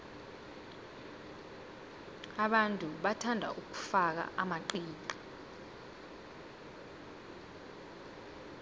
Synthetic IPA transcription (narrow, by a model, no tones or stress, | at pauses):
aɓantʼuɓatʰandʱa̰ʔuk̬u̥fak̬a̰ʔamaǃiːki